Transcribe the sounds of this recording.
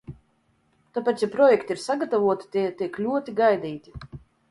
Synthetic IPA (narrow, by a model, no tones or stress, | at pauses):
t̪apat̪apɾɔjɛkt̪ʲiiɾsaɡat̪avuɔt̪i̥t̪ʲit̪iɛklʲuɔt̪iɡajd̪ʲiːt̪ʲi̥